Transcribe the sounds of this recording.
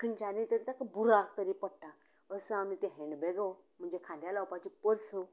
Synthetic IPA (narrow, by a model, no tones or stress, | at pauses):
kənt͡ɕanit̪əɾit̪akəbuɾakt̪əɾipəɽʈa | əsəamit̪eɦẽɳɖbɛɡəw | m̤əɳd͡ʑekʰãnd̪jalawpat͡ɕipəɾt͡sʰə